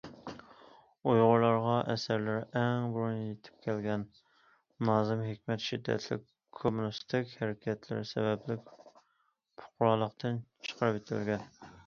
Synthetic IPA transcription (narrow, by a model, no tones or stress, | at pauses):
ojʁʊɾlˠɑɾʁɑʔɛsæɾlɪɾɛŋbuɾunjet̪ʰɪ̥p̚kʲʰɛlɡʲɛn | nɑːzɨmɦekʲmɛt̪ʃid̪ːɛ̰t̪ʰlɪ̰kʲʰːomunɨst̪ʰɪkʲhɛɾɪkʲʰɛt̪ʰlɪ̰ɾsɛ̰bɛplɪkʲ | pʰʊ̥qʊɾɑlˠəqt̪ʰɨnt͡ʃʰə̥qʰəɾɨpet̪ʰɪ̰lɡʲɛn